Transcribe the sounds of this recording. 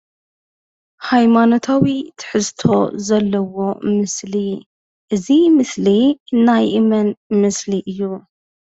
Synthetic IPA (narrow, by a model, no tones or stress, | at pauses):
hajmano̞t̪ʰawit̪ʰɨ̥ħɨzt̪ʰo̞̰zɐlːɐwo̞mɨsli | ʔɨzimɨsliɨnːajʔɨmɐnmɨsliʔɨjːu